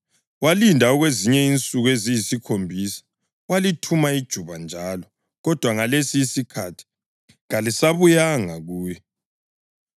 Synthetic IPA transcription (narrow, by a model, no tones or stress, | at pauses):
walindʱaɔɣweziɲɛint͡sʼuɣezijisikʰombʱiːsḁ | walitʰumaid̥ʒ̥ʱuβand͡ʒʱalɔ | ɣɔd̥ʱwaŋalesiːsikʰatʰi̥ | ɣalisaβujaŋaɣuːjɛ